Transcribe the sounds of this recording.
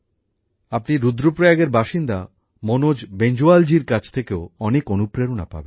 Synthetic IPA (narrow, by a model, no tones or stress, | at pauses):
apniɾud̪ɾopɾojaɡeɾbaʃind̪a | monod͡ʑbend͡ʑuald͡ʑiɾkat͡ɕʰt̪ʰekeoɔnekonupɾeɾuna̰pa̰ben